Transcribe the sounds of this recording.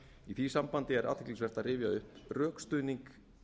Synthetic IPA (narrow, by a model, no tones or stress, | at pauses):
iθiːsampant̪ɪɛɾʔa̰t̪ʰɛkcliŋsvɛr̥t̪aðrɪːvjaʏhprœːkst̪ʏːniŋk